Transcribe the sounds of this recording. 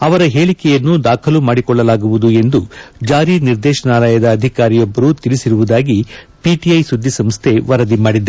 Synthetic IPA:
ɐʋɐɾɐɦeːɭikɛjɐnːud̪aːkʰɐlumaːɽikɔɭːɐlaːɡuʋud̪ue̞nd̪ud͡ʒaːɾiniɾd̪ɛːʃɐnaːlɐjɐd̪ɐːd̪ʱikaːɾijɔbːɐɾut̪ilisiɾuʋud̪aːɡi | piʈiɐjsud̪ʱːisɐmst̪ʰe̞ʋɐɾɐd̪imaːɽid̪ːe

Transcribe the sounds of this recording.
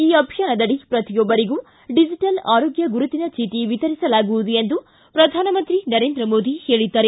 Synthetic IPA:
iːɐpʂɐnɐd̪ɐɽipɾɐt̪ijɔbːɐɾiɡu | ɖid͡ʒiʈɐlaːɾoːɡjɐɡuɾut̪inɐt͡ʃiːt̪iʋit̪ɐɾisɐlaːɡuʋud̪ujend̪u | pɾɐd̪ʱaːnɐmɐnt̪ɾinɐɾeːnd̪ɾɐmoːd̪ʱihe̞ːɭid̪ːaːɾe

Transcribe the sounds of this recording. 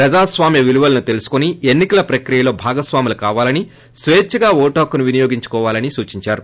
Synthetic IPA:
pɾɐd͡ʒaːsʋaːmjɐʋiluʋɐlɐnut̪e̞lusu̥konienːikɐlɐpɾɐkɾijɐlo̞ːbʱaːɡɐsʋaːmilɐkaːʋaːlɐni | sʋeːt͡ʃːɐɡaːɔːʈoːkunuʋinijoːɡiɲt͡ʃu̥kɔːʋaːlɐnisuːt͡ʃiɲt͡ʃaːɾu

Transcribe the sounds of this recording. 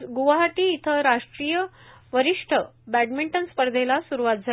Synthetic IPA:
ɡuʋaɦaʈiːt̪ʰəɾaʂʈɾijə | ʋəɾiʂʈʰəbæʈmiɳʈənspəɾd̪ʱelasuɾuʋat̪̚d͡zʱa

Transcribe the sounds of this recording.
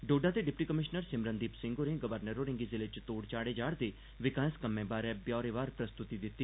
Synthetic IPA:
ɖoːɖãːt̪eːɖɪpʈiːkəmɪʃnəɾsɪmɾənd̪iːpsɪ̃ŋɡoːnẽːɡəʋəɾnəɾoːɾɪ̃ŋɡizɪleːt͡ʃt̪oːɽt͡ʃaːɽeːd͡ʒaːɽt̪eː | ʋɪkaːskəmːẽːbaːɾɛːbjɔːɾeːʋaːɾpɾəst̪ʊt̪iːd̪ɪt̪ːiː

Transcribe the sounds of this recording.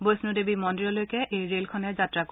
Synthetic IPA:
bojsnudebimɔndiɹɔlojkɛʔejɹelkʰɔnɛɹzatɹak

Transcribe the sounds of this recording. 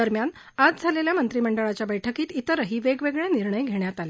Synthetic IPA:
əɾmjan | ad͡zd͡zʱaleljamənt̪ɾiməɳɖəɭat͡ɕjabəjʈʰəkiːt̪it̪əɾəɦiːʋeɡʋeɡɭeniɾɳəjɡʱeɳjat̪ale

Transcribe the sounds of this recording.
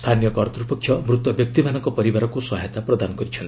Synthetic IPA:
st̪ʰanijɔkɔɾt̪ɾupɔkʰːjʌmɾut̪wɔbjʌk̚t̪ibanɔŋkɔpɔɾibaɾɔkusɔɦejt̪apɾɔd̪anɔɡʌɾit͡ʃʰʌn

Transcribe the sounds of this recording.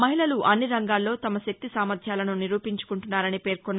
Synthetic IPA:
mɐɦilɐluʔɐnːiɾɐŋɡaːlːo̞ːt̪ɐmɐʃɐk̚t̪isaːmɐɾd̪ʱjaːlɐnuniɾuːpiɲt͡ʃu̥kuɳʈunːaːɾɐnipe̞ːɾkonː

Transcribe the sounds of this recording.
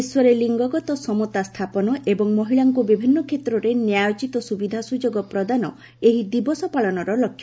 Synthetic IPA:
swɔɾeliŋɡɔɡɔt̪ɔsɔmɔt̪ast̪ʰapɔnɔʔebɔŋmɔɦiɭaŋkubibʱinːɔkʰet̪ɾɔɾenjajot͡ʃit̪ɔsubid̪ʱasud͡ʒoɡɔpɾɔd̪anɔ | eɦid̪ibɔsɔpaɭɔnɔɾɔlɔkʰj

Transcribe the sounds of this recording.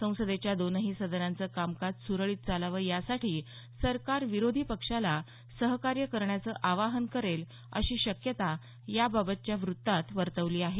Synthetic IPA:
sə̃w̃səd̪et͡ɕjad̪onəɦiːsəd̪ənant͡səkamkat͡ssuɾəɭiːt̪̚t͡salaʋəjasaʈiː | səɾkaɾʋiɾod̪ʱiːpəkʂala | səɦkaɾjəkəɾɳjat͡səʔaʋaɦənkəɾel | ə̰ɕiːɕəkjət̪a | jababət̪̚t͡ɕjaʋɾut̪ːat̪ʋəɾt̪əʋliːaɦe

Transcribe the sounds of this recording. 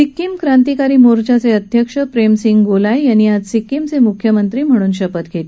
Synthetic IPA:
sikːimkɾant̪ikaɾiːmoɾd͡ʑat͡seəd̪ʱjəkʂəpɾemsiŋɡɡolajjañiːad͡zsikːimt͡semukʰjəmənt̪ɾiːm̤əɽ̃uːnɕəpət̪ɡʱet̪

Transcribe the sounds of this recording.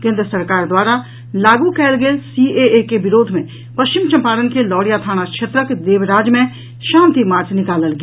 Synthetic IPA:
kẽːnd̪ɾəsɐɾkaːɾd̪waːɾa | laːɡukɛːlɡeːlsiːeekebɪɾoːd̪ʱmẽ | pɐʃt͡ʃɪmt͡ʃɐ̃mpaːɾənkelɔːɽjat̪ʰaːñakʃʰet̪ɾəkd̪eːʋɾaːd͡ʒmẽ | ʃãːnt̪imaːɾt͡ʃʰnɪkaːləlɡ

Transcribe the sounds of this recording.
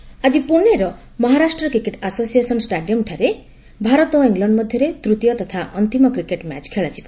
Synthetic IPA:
ad͡ʒipuɾneɾɔ | mɔɦaɾasʈrʌkɾikeʈasosijesɔnsʈaɖijɔmʈʰaɾe | bʱaɾɔt̪ɔiŋɡlaɳɖmʌd̪ʱjʌɾet̪ɾut̪jɔt̪ɔt̪ʰaʔʌnt̪imɔkɾikeʈma̰t͡ʃkʰeɭat͡ʃipɔ

